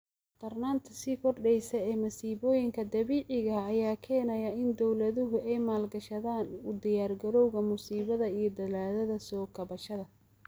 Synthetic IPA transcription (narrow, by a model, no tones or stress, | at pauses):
t̪ʰɐrnaːnt̪ʰɐsiːkʰɔrɖɛjsɐɛːmɐsiːβɔːjɪŋkʰɐd̪ɐβiːʕɪɣɐːjaːkʰɛːnɐjɐɪnd̪ɔwlɐðʊɦʊʔɛjmaːlɡɐʃɐðaːnʊd̪ɪjaːrɡɐɾɔwɣɐmʊsiːβɐðɐijɞd̪ɐlaːðɐðɐsɔːkʰɐβɐʃɐðɐ